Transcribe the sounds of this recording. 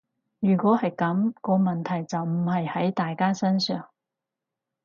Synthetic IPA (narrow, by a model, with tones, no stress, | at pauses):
jyː˨˩kʷɔː˨˥hɐ˨jkɐ˨˥mkɔː˧mɐ˨nt̪ʰɐ˨˩jt͡sɐ˨wm̩˨˩hɐ˨jhɐ˨˥jt̪aː˨jkaː˥sɐ˥nsœː˨ŋ